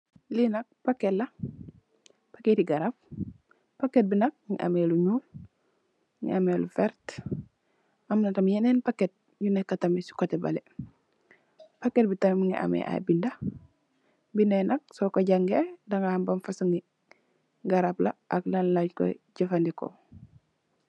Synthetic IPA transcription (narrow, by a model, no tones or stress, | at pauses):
linɐk̚paketla | paketiɡaɾap̚ | paket̚binak̚ŋḭʔa̰meluɲuːl | ŋḭamelufɛɾt | amnatamjenenpaket̚ | junekːatamisi̥kotɛba̰lḛ | paket̚bitammiŋḭʔa̰mḛʔa̰binda | binenɐk̚sɔkoɟaŋɡedaŋambamfasuŋi | ɡaɾapla̰ʔaklallaɟko̰ɟafandiko̰